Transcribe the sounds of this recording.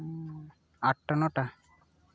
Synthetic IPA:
aʈːanɔʈa

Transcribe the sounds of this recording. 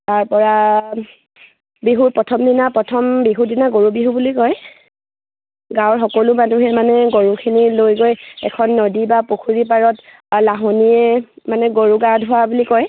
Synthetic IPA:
taɹpɔɹa | biɦupɹɔtʰɔmdinapɹɔtʰɔmbiɦudinaɡoɹubiɦubulikɔj | ɡãwɔɹxɔkɔlumanuɦɛmanɛɡoɹukʰinilojɡojɛkʰɔnːɔdibapokʰuɹipaɹɔt | laɦoniɛmanɛɡoɹuɡaɹdʱʊwabulikɔj

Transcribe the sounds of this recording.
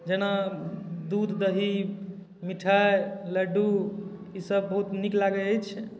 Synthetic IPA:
d͡ʒena | d̪ud̪ʱd̪əɦi | miʈʰajləɖuisəbːəɦut̪niklaɡɛəjt͡ʃʰ

